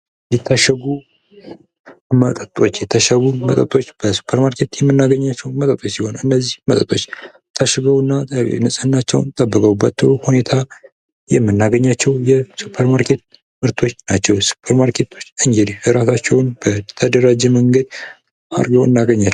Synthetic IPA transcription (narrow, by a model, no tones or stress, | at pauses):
jɛt̪ʰːaʃəɡu | mət̪ʼət̪ʼo̞t͡ʃːjɛt̪ʰəʃəɡumət̪ʼət̪ʼo̞t͡ʃːb̥əsu̥pʰːəɾmaɾkʰe̞t̪jɛmːɨnːaɡəɲːat͡ʃːɛwmət̪ʼət̪ʼo̞t͡ʃːsiho̞nɨnːəzːihmət̪ʼət̪ʼo̞t͡ʃː | t̪ʰːaʃəɡəwɨnːa̰nɨsʼɨnːat͡ʃːɛ̰wnt̪ʼəbːəkʼəwubat͡ʃːɛwhune̞t̪ʰa | jɛmːɨnːaɡəɲːat͡ʃːɛwjɛsupʰːəɾmaɾkʰe̞t̪̚ | mɨɾt̪ʰo̞t͡ʃːnat͡ʃːɛwsu̥pʰəɾmaɾkʰe̞t̪ʰo̞t͡ʃːɨŋɡed̪iəɾasat͡ʃːɛwnb̥ət̪ʰəd̪əɾad͡ʒɛməŋɡəd̪ | ʔa̰ɾɡəwɨnːaɡəɲːa